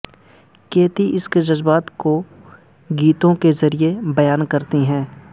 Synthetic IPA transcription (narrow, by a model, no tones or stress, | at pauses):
keːt̪iʔɪsked͡ʒɐzbaːt̪ko | ɡiːt̪õkezɐɾiebɐjaːnkɐɾt̪iɦɛ̃ː